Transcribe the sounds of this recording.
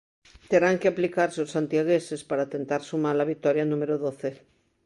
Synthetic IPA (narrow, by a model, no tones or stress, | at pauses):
t̪e̞ɾaŋkeaplikaɾseosːant̪jaɣ̞ese̞spaɾat̪e̞nt̪aɾsumaɾlaβik̚t̪oɾjanumeɾoðoθe